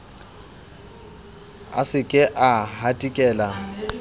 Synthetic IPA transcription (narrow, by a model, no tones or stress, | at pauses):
a̰sɪkʼɪʔahatʼikʼɛːla